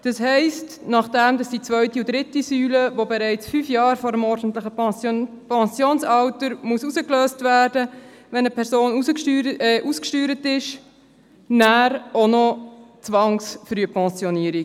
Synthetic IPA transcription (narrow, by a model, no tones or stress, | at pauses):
d̥ɑshɛɪst | nɑχd̥ɛmdɑsd̥it͡sʋœʏtiʊd̥ɾɪtisyːləvobɛɾɛɪt͡sfyːfjɑːɾfɔːɾəmɔrɾd̥n̩tləχə | pɛnsjoːnsɑwtəɾmuəsusəkløːstvæːɾdəvɛnəpʰɛɾsoːnuəɛʔuskʃtyːɾətɪʃ | næːɾonɔt͡sʋɑŋsfɾyəpʰɛnsjɔniːəɾi